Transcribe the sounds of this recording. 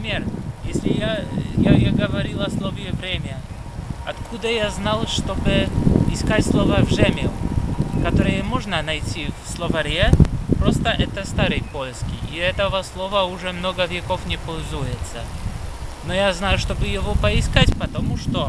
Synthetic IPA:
pɪmʲerjesʲlʲɪjajajaɡəvɐɾʲilˠɐslˠovjɛvɾʲemʲə | ɐt̪kʰud̪əjaznalˠʂt̪obɨɪskatʲslˠovəvʐɛmʲɪlˠkɐt̪oɾɨjəmoʐnənɐjtʲivslˠovɐɾʲepɾost̪əʔɛt̪əst̪aɾɨjpojɪskʲɪiɛt̪əvəslˠovəʊʐɛmnoɡəvʲekofnʲɪpolʲzujɪt̪sə | nojaznajʊʂt̪obɨjɪvopɐɪskatʲpɐt̪ɐmuʂt̪o

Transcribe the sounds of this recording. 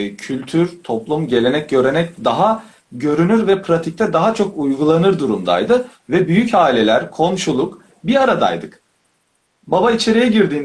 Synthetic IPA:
cʰylʲt̪ʰyɾt̪ʰo̞plˠumɟe̞lʲe̞nɛc̚ɟø̞ɾe̞nɛc̚d̪aɦa | ɟø̞ɾynyɾvɛpʰɾat̪ʰic̚t̪ʰɛd̪aɦat͡ʃʰo̞kujɡulˠanɯɾd̪uɾumd̪a̰jd̪ɯvɛbyjycaːilʲe̞lʲæɾkʰo̞mʃulˠuk | biɾaɾad̪a̰jd̪ɯk | babait͡ʃʰe̞ɾijɛɟiɾd̪iːn

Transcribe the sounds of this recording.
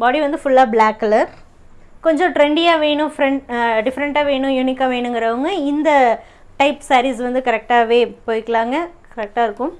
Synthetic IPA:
baːɽiʋɐnd̪ɯfʊɭːaːblaːkːɐlɐ | kɔɲd͡ʒõʈɾɛɳɖɪjaːʋeːɳʊ̃fɾɛɳʈɖɪfɐɾɐɳʈaːʋeːɳʊ̃juːnɪkːaːʋeːɳɯŋɡɪɾɐʋɐŋɡɐɪnd̪ɐ | ʈɐɪpsɐːɾisʋɐnd̪ɯkɐɾɛk̚ʈaːʋeːpoːjkːɐɭaːŋɡɐkɐɾɛk̚ʈaːɪɾɯkːʊ̃m

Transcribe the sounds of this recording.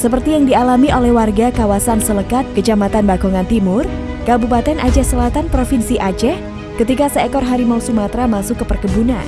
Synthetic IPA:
səpərt̪ijaŋdialamiolɛhwarɡakawasansələkat̪̚kət͡ʃamat̪anbakɔŋant̪imʊr | kabupat̪ɛnʔad͡ʒɛhsəlat̪anpɾofinsiʔad͡ʒɛh | kət̪ikasəɛkɔrɦaɾimawsumat̪ɾamasʊkːəpərkəbuna̰n

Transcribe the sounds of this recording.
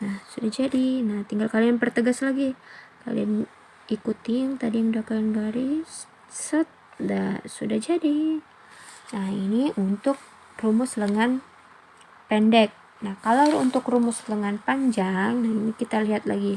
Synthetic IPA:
nahsudahd͡ʒadinaht̪iŋɡalkalianpərt̪əɡaslaɡika̰lḭan | ikut̪iŋt̪adiaŋdakaɪnbaɾi | sət̪̚dasudahd͡ʒadi | nahiniʔunt̪ʊk̚ | rumʊsləŋan | pɛndɛk̚ | nahkalaunt̪ʊkrumʊsləŋanpaɲd͡ʒaŋnahinikit̪aliɦat̪̚la̰ɡi

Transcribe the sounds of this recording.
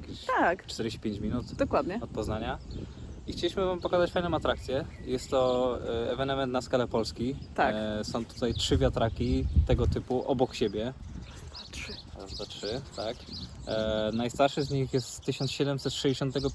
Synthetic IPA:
kʲt̪akt͡ʂt̪ɛɾd͡ʑeɕt͡ɕi̥pʲeɲt͡ɕmʲinut̪d̪ɔkwad̪ɲɛɔt̪̚pɔznaɲa | ixt͡ɕelʲiɕmɘvampɔkazat͡ɕfajnɔ̃m̃at̪ɾakt̪sʲjɛ | jɛst̪ːɔɛvɛnɛmɛnt̪naskalɛpɔlskʲit̪aksɔ̃w̃t̪u̥t̪ajtʂɘvʲjat̪ɾakʲit̪ɛɡɔt̪ɘpuʔɔbɔkɕebʲjɛ | atʂzvatʂɘt̪ak | najst̪aɾʂɘzɲixjɛst̪ːɘɕɔnt̪ɕɛd̪ɛmsɛt̪ʂɛd͡ʑeɕɔnt̪ːɛɡɔ

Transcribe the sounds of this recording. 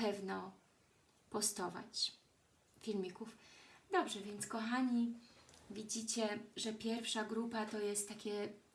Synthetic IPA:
pɛvnɔ | pɔst̪ɔva̰t͡ɕ | fʲilmʲikufd̪ɔbʐɛvʲjɛnt̪skɔxaɲi | vʲid͡ʑit͡ɕɛʐɛpʲjɛɾfʂaɡɾupat̪ɔjɛst̪ːakʲɛ

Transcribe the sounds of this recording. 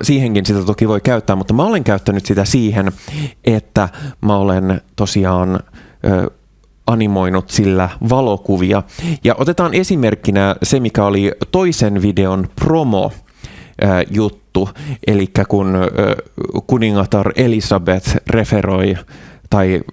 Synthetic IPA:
siːheŋkinsit̪æt̪okiʋo̞ikæyt̪ːæːmut̪ːɑmæole̞ŋkæyt̪ːænyt̪sit̪æsiːɦenʔet̪ːæmæolent̪o̞siɑːnʔ | ɑnimo̞inut̪silːæʋɑlo̞kuʋiɑ̰jɑʔo̞t̪e̞t̪ɑːne̞sime̞rkːinæse̞mikæolit̪o̞isenʋide̞onpro̞mo̰ | ʔjut̪ːuʔe̞likːækun | kuniŋːɑt̪ɑre̞lisɑbet̪re̞fero̞it̪ɑi

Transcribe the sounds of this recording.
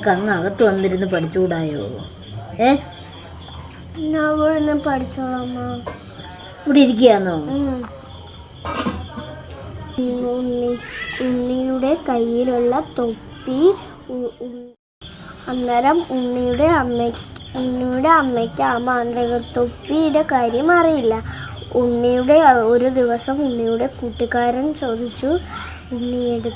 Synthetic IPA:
kɐŋːɐɣɐt̪ːɨʋɐnd̪iɾunːɨpɐʈʰit͡ɕːukuɽaːjo̰ː | eː | nːaʋoɻenːɨpɐʈit͡ɕːɐɭɐmːa | uɽiɾik̬ʲːijaːnːoː | unːiunːijuɽe̞kɐjːiluɭːɐt̪opːi | ɐnːɐɾɐmuɳːijuɽe̞ɐmːekuɳːijuɽe̞ɐmːekʲːamːanrɐɣɐt̪o̞pːijuɽe̞kaːɾjɐmɐrijilːɐ | uɳːijuɽe̞o̞ɾud̪iʋɐsɐmuɳːijuɽe̞kuːʈːikːaːɾɐnt͡ɕo̞ːd̪ʱit͡ɕːu | uɳːijeɽu

